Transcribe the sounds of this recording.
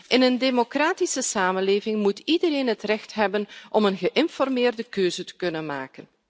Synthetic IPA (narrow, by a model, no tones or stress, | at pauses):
ʔɪnəndemokraːtisəsaːmənleːvɪŋmutidəɾeːnɦətrɛxtɦɛbənʔɔmənɣəʔɪnfɔrmɪːrdəkøːzətə̥kɵnənma̰ːkən